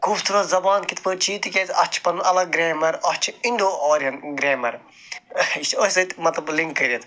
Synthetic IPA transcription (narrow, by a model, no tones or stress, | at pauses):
kuːft̪ʰuɾɐzɐbaːnkit̪ʰpɨt͡ʃʰiːt̪ikʲet̪ʲɐt͡ʃʰpɐnɐlɐɡɾeːmɐɾɐt͡ʃʰiɳɖoːoːɾiɐnɡɾeːmɐɾ | iʃt͡ʃʰosɐt̪mɐt̪lɐbliŋkːɐɾʲiɐt̪